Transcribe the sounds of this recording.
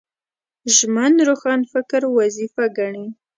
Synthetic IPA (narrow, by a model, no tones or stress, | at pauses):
ʒmanɾoxɑnfɪkɾwazifaɡaɳi